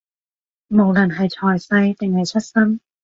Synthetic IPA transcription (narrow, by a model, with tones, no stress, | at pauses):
mo˨˩wlɐ˨˩nɦɐ˨˩jt͡sʰɔː˨˩jsɐ˧jt̪ɪ˨˩ŋhɐ˨˩jt͡sʰɵ˥t̚sɐ˥n